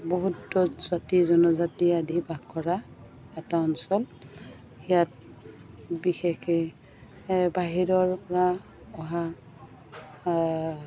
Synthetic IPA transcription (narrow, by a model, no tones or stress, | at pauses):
boɦutːɔzatizɔnɔzatiadʱibʱaɡkɔɹa | ɛtaɔnsɔl | ijat̚ | bixexɛ | baɦiɹɔɹpɔɹa | ɔɦa